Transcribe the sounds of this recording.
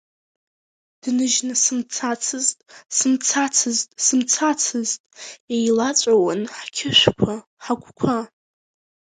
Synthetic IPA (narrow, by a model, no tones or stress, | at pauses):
d̥nɨʒnɨsɨmt͡sʰat͡sʰɨztʼsɨmt͡sʰat͡sʰɨztʼsɨmt͡sʰat͡sʰɨztʼejlat͡sʷʼawanħkʲʰɪʃᶣʷkʷʰa | ħakʷʰʼkʷʰa